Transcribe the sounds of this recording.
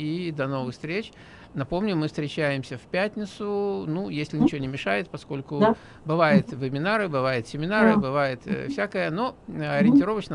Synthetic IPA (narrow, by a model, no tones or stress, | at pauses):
id̪ɐno̞vɨxst̪ɾʲet͡ɕ | nɐpo̞mnʲʊmɨfst̪ɾʲɪt͡ɕæjɪmsʲəfpʲæt̪ʲnʲɪt̪sʊnujesʲlʲɪnʲɪt͡ɕɪvonʲɪmʲɪʂajɪt̪̚pɐsko̞lʲkʊ | bɨvajɪt̪vɨmʲɪnaɾɨbɨvajɪt̪sʲɪmʲɪnaɾɨbɨvajɪt̪fsʲækəjəno̞ɐɾʲɪnʲtʲɪɾo̞vət͡ɕnə